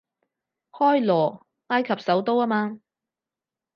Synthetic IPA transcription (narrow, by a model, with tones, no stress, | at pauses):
hɔː˥jlɔː˨˩ | ŋaː˥jkʰɐ˨p̚sɐ˨˥wt̪o˥waː˥maː˧